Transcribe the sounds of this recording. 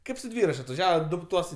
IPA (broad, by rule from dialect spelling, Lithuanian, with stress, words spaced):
ˈkɐɪp sʊ ˈdʲʋʲiːrɐt͡ʃʲ ɐtʋɐˈʒʲæːʋɐ ˈdʊ ˈtuɔs